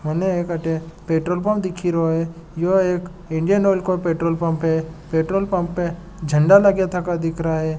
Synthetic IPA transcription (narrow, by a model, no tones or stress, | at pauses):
mɐneeːkɐʈepeːʈɾoːlp̬ɐ̃mpd̪ɪkʰiɾoɦe | joeːk | ɪ̃ɳɖijənoːlkopeːʈɾoːlpɐ̃mpɦepeːʈɾoːlpɐ̃mpːe | d͡ʒʱə̃ɳɖaləɡjat̪ʰakad̪ɪkɾaɦɛ